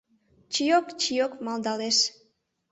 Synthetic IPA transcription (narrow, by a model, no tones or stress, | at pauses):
t͡ɕijokt͡ʃijokmɑld̪ɑleʃ